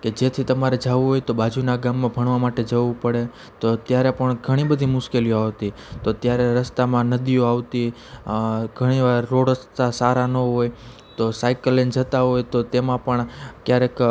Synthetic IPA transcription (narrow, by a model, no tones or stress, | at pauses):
ked͡ʒet̪ʰit̪əmaɾed͡ʒaʋũɦojt̪obad͡ʒunaɡamːãbʱəɳ̃ʋamaʈed͡ʒəʋũpəɽe | t̪ot̪jaɾepəɳɡʱəɽ̃ibəd̪ʱimʊʃkelioaʋt̪i | t̪ot̪jaɾeɾəst̪amãnəd̪ioaʋt̪i | ɡʱəɽ̃iʋaɾːoɽəst̪asaɾanoɦoj | t̪osajkəlend͡ʒət̪aɦojt̪ot̪emãpəɳkjaɾek